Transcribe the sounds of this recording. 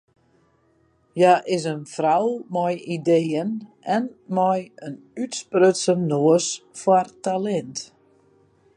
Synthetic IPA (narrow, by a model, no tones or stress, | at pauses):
jaʔɪsənfrawmɔjideːən | ɛnmɔjən | ytsprøtsəmnoəsfɔrtalɛnt